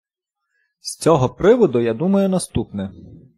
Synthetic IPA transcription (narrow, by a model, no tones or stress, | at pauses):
sʲt͡sʲɔɦɔpɾɪʋɔd̪ʊjad̪umɐjʊnɐst̪upnɛ